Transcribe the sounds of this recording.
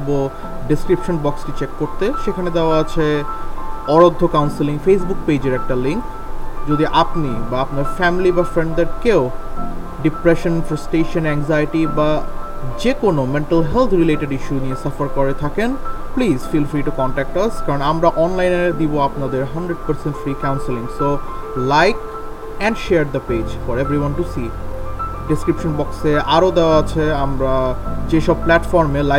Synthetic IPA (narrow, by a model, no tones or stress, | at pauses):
bo | ɖiskɾipʃonbɔkskit͡ɕekːoɾt̪eʃekʰaned̪eoaat͡ɕʰe | ɔɾod̪ʱːokawnsiliŋfes̬buk̚pejd͡ʑeɾɛk̚ʈaliŋk | d͡ʑod̪iʔapnibaapnaɾfɛmilibafɾeɳɖd̪eɾkeo | ɖipɾeʃonfɾɐsʈeʃonɛŋzajʈibad͡ʑekonomeɳʈalɦelt̪ʰɾileʈeɖiʃuniesɐfaɾkoɾet̪ʰaken | plizfilfɾiʈukɔɳʈɛk̚ʈɐskaɾonamɾaʔɔnlajned̪iboapnad̪eɾɦɐɳɖɾeɖ̚pəɾsẽɳʈfɾikãwnselĩŋso | lajk | ɛ̃ɳɖʃeaɾd̪əped͡ʑfɔɾevɾiwanʈusi | ɖiskɾipʃonbɔkseaɾod̪eoaat͡ɕʰeamɾad͡ʑeʃɔb̚plɛʈfɔɾmela